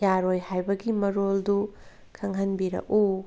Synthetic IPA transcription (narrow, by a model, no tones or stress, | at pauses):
jaɾojhajbɐɡimɐɾoldu | kʰɐŋɦɐnbiɾɐ̰ʔu